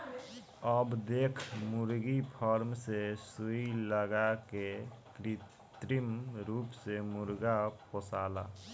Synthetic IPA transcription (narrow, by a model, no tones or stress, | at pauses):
əbd̪eːkʰmuɾɡipʰɔɾmsesuiləɡakekɾi | t̪ɾimɾupsemuɾɡaposaːla̰